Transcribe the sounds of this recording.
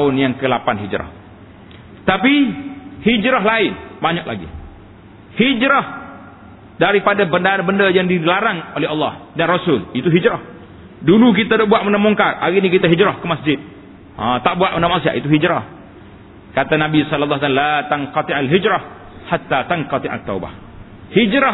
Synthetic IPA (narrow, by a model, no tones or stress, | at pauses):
aʊnjaŋkəlapanɦid͡ʒɾa̰h | t̪apihid͡ʒɾaɦlaɪnbaɲak̚la̰ɡḭ | hid͡ʒɾɔh | daɾipadabəndabəndajaŋdilaɾaŋolɛɦɑlːɑhdanrɔsʊlit̪uɦid͡ʒɾɔh | duluk̬it̪adɔʔbuaʔ̪̚mənamuŋkarʔa̰ɾinikit̪aɦid͡ʒɾɔhkəmasd͡ʒɪd̪̚ | at̪aʔbuaʔ̪̚mənamaʔsia̰ʔit̪uɦid͡ʒɾah | kat̪anãbisɔlalːɑsalat̪aŋqɔt̪iʔalɦid͡ʒɾah | hat̪ːat̪aŋqɔt̪iʔa̰t̪ːauba̰h | hid͡ʒɾa